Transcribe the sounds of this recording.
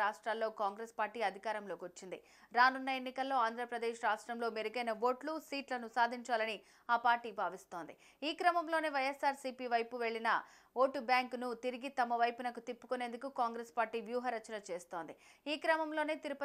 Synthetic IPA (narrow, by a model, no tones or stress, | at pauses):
aːʂʈɾaːlːo̞ːkaːŋɡɾeːspaːɾʈiːɐd̪ʱikaːɾɐmlo̞ːkiʋɐt͡ʃːind̪ḭ | ɾaːnunːɐe̞nːikɐlːo̞ːaːnd̪ʱɾɐpɾɐd̪eːʃɾaːʂʈɾɐmlo̞ːmeɾuɡɐjnɐʋo̞ːʈlusiːʈlɐnusaːd̪ʱiɲt͡ʃaːlɐni | aːpaːɾʈiːbʱaːʋist̪o̞ːnd̪i | iːkɾɐmɐmlo̞ːneːʋɐjesaːɾsiːpiːʋɐjpuʋe̞ɭːinɐ̰ | ʋo̞ːʈubjaːŋknut̪iɾiɡit̪ɐmɐʋɐjpunɐkut̪ipːu̥kune̞ːnd̪ukukaːŋɡɾeːspaːɾʈiːʋjuːɦɐɾɐt͡ʃːɐnɐt͡ʃe̞ːst̪o̞ːnd̪iiːkɾɐmɐmlo̞ːneːt̪iɾupɐ